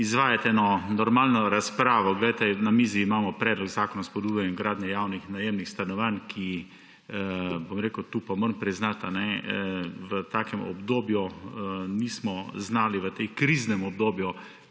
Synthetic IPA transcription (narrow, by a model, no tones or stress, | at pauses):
izʋaːjat̪ɛɛnɔnɔɾmaːlnɔɾaspɾaːʋɔɡlɛjt̪ɛnamiziːmaːmɔpɾɛːd̪lɔɡzaːkɔnaspɔd̪ujɛɛmɡɾaːd̪njɛjaːwnixnajemnixst̪anɔʋankʰi | bomɾeːkət̪upɔmɐɾmpɾiznat̪anɛ | ʋət̪aːkɛmɔ̰bd̪oːbju | niːsmɔznaːliʋət̪ekɾiːznɛmɔb̚d̪oːbju